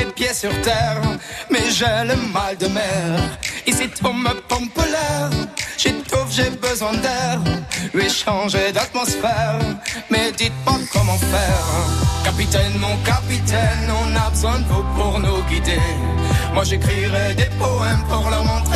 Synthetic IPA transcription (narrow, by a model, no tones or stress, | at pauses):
epjesyʁt̪ɛʁmɛʒɛləmald̪əmɛʁisit̪ʰɔ̃məpɔ̃pəlɛʁʒ̥et̪ufʒebəzwɛ̃d̪ɛʁlɥeʃɑ̃ʒed̪at̪mɑsfɛʁmɛd̪it̪̚pakɔmɑ̃fɛʁkapit̪ɛnmɔ̃kapit̪ɛnɔ̃nabəzwɛ̃d̪əvupuʁnuɡid̪e | mwaʒekχiʁɛd̪epɔɛmpuʁlɔmɑ̃t̪